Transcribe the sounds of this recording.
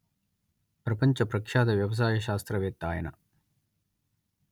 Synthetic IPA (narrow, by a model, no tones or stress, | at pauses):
pɾɐpɐɲt͡ʃɐpɾɐkʂaːd̪ɐʋjɐʋɐs̬aːjɐʃaːst̪ɾɐʋeːt̪ːaːjɐnɐ̰